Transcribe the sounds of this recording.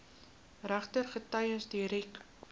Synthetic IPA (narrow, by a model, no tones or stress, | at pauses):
ræχtərχətɐjəsdiɾik